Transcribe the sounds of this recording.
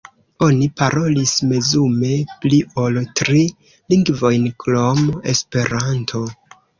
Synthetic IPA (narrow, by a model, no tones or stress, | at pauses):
o̞nipaɾo̞lisme̞zume̞pliʔo̞ltɾi | liŋɡvo̞jnklome̞̰spe̞ɾantʰo̞